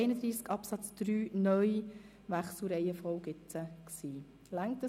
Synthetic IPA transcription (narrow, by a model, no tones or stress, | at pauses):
ɪnəd̪ɾiːskɑpsɑt͡sd̪̥ɾyːnœji | ʋæχsl̩ɾɛjəfɔʊɡɪt͡səksiː | læŋktə